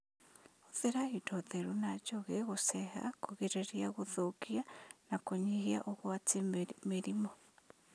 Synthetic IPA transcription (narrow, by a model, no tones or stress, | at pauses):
oðeɾahidoðeɾunad͡ʒoɣeɣosɛɦa̰koɣeɾeɾiaɣoðokianakoɲihia̰ʔoɣwatemeɾimɔ